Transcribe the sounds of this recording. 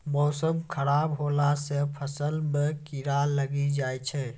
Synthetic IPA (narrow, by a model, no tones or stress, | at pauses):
mɔːsəmkʰəɾaːbɦoːlasepʰəsəlmekiɾalːəɡid͡ʒaːjt͡ʃʰɛ